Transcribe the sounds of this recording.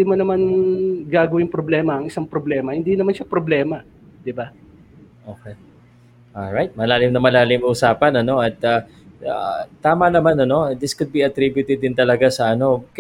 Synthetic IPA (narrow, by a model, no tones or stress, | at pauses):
imɐnɐmanɡaːɡɐwɪŋpɾoblɛːmɐɐŋɪsaŋpɾoblɛːmɐhɪnd̪inɐmanʃapɾoblɛːmɐ | d̪ɪba | ʔoːkɛ | ʔolɹajt̪̚mɐlaːlɪmnɐmɐlaːlɪmɐʔʊsaːpɐnɐno̞ʔɐt̪̚ɐ | at̪aːmɐnɐmanɐno̞d̪ɪskʊd̪̚biɐt̪ɾibjʊt̪ɛd̪ɪnt̪ɐlɐɡasɐʔɐno̞k